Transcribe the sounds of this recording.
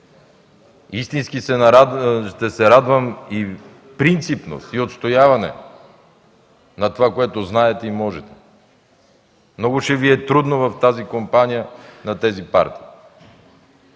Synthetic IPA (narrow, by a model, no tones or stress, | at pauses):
ist̪inskisɛʃt̪ɛsɛɾad̪vɐmi | pɾint̪sipno̰st̪iot̪st̪ojavɐnɛ̰ | nɐt̪ovakoɛt̪oznaɛt̪ɛimɔʒɛt̪ɛ̥ | mnɔɡʊʃɛviɛt̪ɾud̪novɐft̪azikompanijənɐt̪ɛzipa̰ɾt̪i̥ː